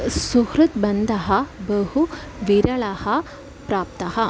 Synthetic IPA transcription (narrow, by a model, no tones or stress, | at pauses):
suhɾut̪bɐnd̪ʱɐɦɐbəɦu | ʋiɾɐɭahɐ | pɾaːp̚t̪ɐɦɐ